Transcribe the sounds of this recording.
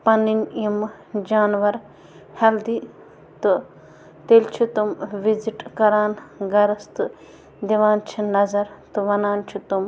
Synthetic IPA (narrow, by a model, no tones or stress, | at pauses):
pɐninim | d͡ʒaːnʋɐɾ | hɐld̪i | t̪ɨ | t̪elt͡ʃʰut̪umʋiziʈkɐɾaːnɡɐɾɐst̪ɨ | d̪iʋaːnt͡ʃʰinɐzɐɾt̪uʋɐnaːnt͡ʃʰut̪um